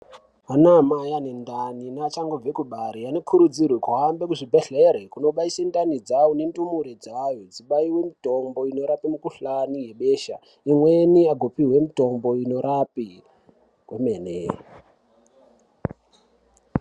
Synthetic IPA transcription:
anamajane̞ndaninat͡ʃaŋɡob͡vekuɓaɾianekʰuɾud͡zirwekuɦambekuʐibʱeɬeɾekuno̞ɓaisendanid͡zawonendumuɾed͡zajod͡ziɓaiwe̞mitombo̞ino̞ɾapimukuɬanije̞ɓeʃa̰ | imwe̞niaɡʱopiɦwe̞mito̞mbo̞ino̞ɾapi | kwemeːne

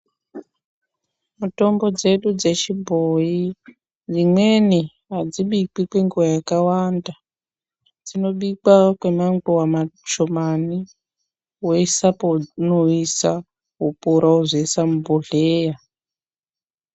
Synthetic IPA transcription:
muto̞mbo̞d͡ze̞ɗud͡ze̞t͡ʃibʱoji | d͡zimweni | ɦad͡ziɓik͡pikweŋɡuwajakawanda | d͡zino̞ɓik͡pakwemaŋɡuwamat͡ʃomani | weisaponoisa | ɦupuɾauzeisamuboɮeːja

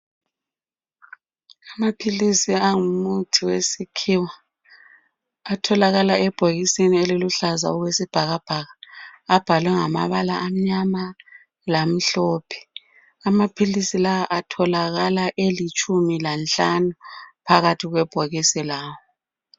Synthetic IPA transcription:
amapʰilisiaŋumutʰiwesikʰiwa | tʰɔlaɣalaɛb̥ʱoɣisinieliluɬaza̰uɣwesib̥ʱaɣab̥ʱaɣaːb̥ʱalwɛŋama̰βalaʔam̩ɲama | lam̩ɬɔːpʰɛ̥ | amapʰilisilaaʔatʰɔlaɣalaʔelit͡ʃʼumilant͡ɬanupʰaɣatʰiɣwɛb̥ʱoɣisilaːwɔ

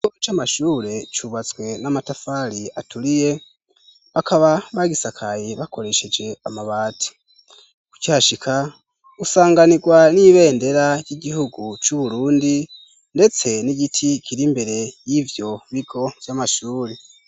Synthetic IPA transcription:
iɡot͡ʃamaʃuːɾe̞t͡ʃuβat͡sɡwe̞namatafaɾiatulije̞ | βakʰaβaβaɡisakʰajiβako̞ɾe̞ʃe̞d͡ʒe̞amaβaːti̥ | ku̥cihaʃikʰa | usaːŋɡaniɡwaniβe̞ːnde̞ɾajiɟihuɡut͡ʃuβuɾuːndi | nde̞t͡se̞niɡitʰikʰiɾimbe̞ɾe̞jivjo̞βiɡo̞vjamaʃuːɾe̞

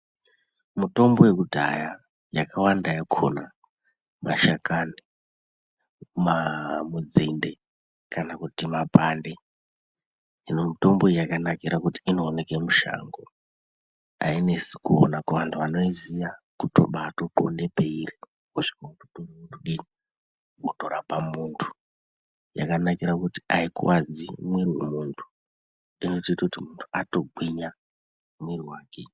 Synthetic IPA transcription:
muto̞mbo̞we̞kudʱa̰ja | jakʰawandajakʰo̰na | maʃakani | mamud͡zinde̞ | kanakutimapande̞ | inomuto̞mbo̞jakanakiɾakutiːnoːne̞kemuʃa̰ŋɡo | a̰ine̞si̥kuo̰nakuʋantʰuʋano̞iziakutʰo̞̰ɓaːtopondepe̞iri | kuʂi̥kautuɗoriwutʰuɗini | kutoɾapamuntʰu̥ | ja̰kanakiɾakuti̥aikṵwad͡zimwiriwemuntʰu̥ | ino̞tiːtakutimuntʰuato̞ɡ͡bʱwiɲa | mwiriwaːke

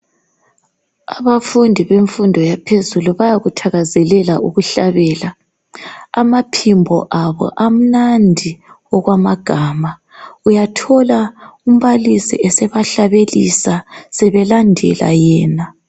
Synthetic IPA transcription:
aβafundʱiβeɱfundʱɔjapʰezuluβajaɣutʰaɣazɛlɛlaʔuɣuɬaβɛːlaː | mapʰimbʱɔ̰ʔaβɔ̰ʔam̩nandʱi | ɔɣwamaɡ̥ʱama | ujatʰɔlaum̩βalisḭɛsɛβaɬaβelisasɛβɛlandʱɛ̰la̰jɛːna

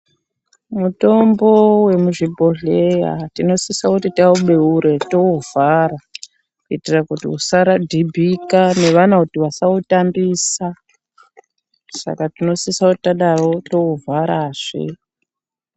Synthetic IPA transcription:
muto̞mbo̞we̞muʐibʱoɮe̞ja̰tino̞sisakutitauɓe̞uɾe̞to̞uvaɾa | kuitirakutḭusaɾadʱibʱikane̞ʋanautiʋasautambiːsa | sa̰katino̞sisauti̥taɗaro̞to̞uvʱaɾaːʐ̥ḛ

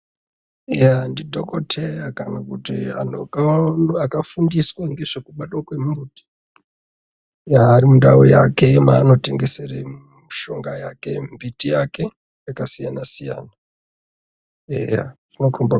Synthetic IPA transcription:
jandidʱokotʰerakanakutia̰nokaakafundiswaŋɡe̞ʐekuɓatwakwe̞mumbuti̥ | jaːrimundaujake̞maːno̞te̞ŋɡe̞sere | miʃo̞ŋɡajake̞mbitijake̞ | jakasijanasija̰ːna | ḛja̰ʐinokumba

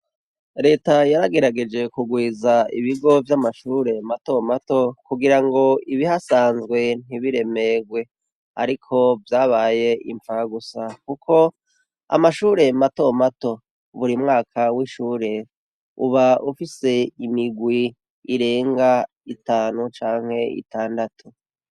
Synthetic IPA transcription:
ɾe̞ːtajaɾaɡe̞ɾaɡe̞d͡ʒe̞kuɡwiːzaḭβiɡo̞vjamaʃuːɾe̞mato̞mato̞kuɡiɾaŋɡo̞iβihasaːnzɡwe̞n̥iβiɾe̞me̞ɡwe̞ | a̰ɾikʰo̞vjaːβaːje̞ḭɱfaɡusakukʰo̞ | a̰maʃuːɾe̞mato̞mato̞ | βuɾimŋaːkʰawiʃuːɾe̞ | ṵβaufise̞imiɡwiː | ɾe̞ːŋɡa | itaːnut͡ʃaːŋhe̞ḭtaːndatʰu̥

